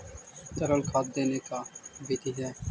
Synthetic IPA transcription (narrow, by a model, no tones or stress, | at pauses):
t͡ʃəɾəlkʰat̪̚d̪enekabit̪iɦɛ